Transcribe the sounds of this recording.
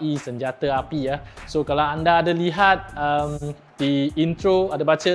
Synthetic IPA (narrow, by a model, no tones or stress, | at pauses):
isəɲd͡ʒat̪əapijasokalawandaːdaliɦat̪̚əm | d̥iint̪ɾoadabat͡ʃə